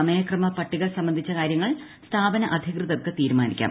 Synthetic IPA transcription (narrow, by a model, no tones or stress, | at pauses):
ɐmɐjɐkrɐmɐpɐʈːiɣɐrsɐmbɐnd̪ʱit͡ɕːɐkaːɾjɐŋːɐɭst̪ʰaːbɐnɐʔɐd̪ʱjɐkrɨðɐrkːɨt̪iːɾumaːnikʲːa̰ː